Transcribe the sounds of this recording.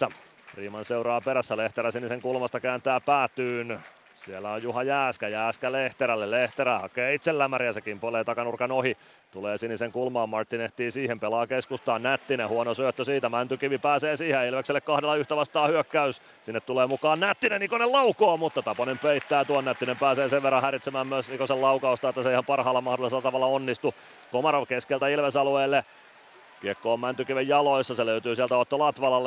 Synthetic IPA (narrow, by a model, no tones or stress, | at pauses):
æ | riːmɑnseurɑːpeɾæsːæleht̪eɾæsiniseŋkulmɑst̪ɑkæːnt̪æːpæːt̪ːyːn | sielːæojjuhɑjæːskæjæːskæleht̪eɾælːelleht̪eɾæhɑkeːit̪selːæmæɾiæsekimpoleːt̪ɑkɑnurkɑnohi | t̪uleːsiniseŋkulmɑːmːɑrt̪ːineht̪iːsiːhempelɑːkeskust̪ɑːnnæt̪ːinehuonosyøt̪ːøsiːt̪æmænt̪ykiʋipæːseːsiːheilʋekselːekkɑhdelːɑyht̪æʋɑst̪ɑːhyøkːæys | sinːet̪tuleːmukɑːnnæt̪ːinenikonelɑukoːmut̪ːɑt̪ɑponempeit̪ːæːt̪uonːæt̪ːinempæːseːseʋʋerːɑ̃hæɾit̪semæːmmyøsniːkoselɑukɑust̪ɑet̪ːæseihɑmpɑrhɑːlːɑmɑhdolˑiselːɑt̪ɑʋɑlːɑonːist̪u | komɑrokeskelt̪æilʋesɑlueːlːe | kiɛkːoːmmænt̪ykiʋejjɑloisːɑseløyt̪yːsiælt̪æot̪ːolɑt̪ʋɑlɑlː